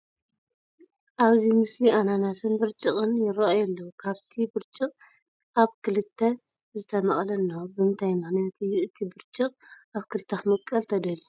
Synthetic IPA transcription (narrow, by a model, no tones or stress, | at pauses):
ʔaβzimɨsliʔananasʰɨnbɨɾt͡ʃʼɨkʼɨnjɪɾɐʔajɛlːɐwukʰaβt̪ʰibɨɾt͡ʃʼɨqʼ | ʔaβkʰɨlɨt̪ʰːɐ | zɨt̪ʰɐmɐχʼlɐnːobɨɨnt̪ʰajmaxniat̪ɨjːuʔɨt̪ʰibɨɾt͡ʃʼɨqʼaβkʰɨlɨt̪ʰːaxmɐkʼːɐlt̪ʰɐd̪ɐlu